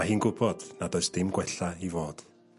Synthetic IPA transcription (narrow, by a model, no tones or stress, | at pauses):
ahiːnɡʊbɔd̥nadɔɨsd̥ɪmɡwɛɬaivoːd̥